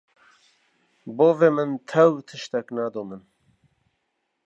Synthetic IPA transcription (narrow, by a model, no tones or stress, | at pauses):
boːveːmɨnt̪ʰɛwt̪ʰɨʃt̪ɛknaːd̪oːmɨn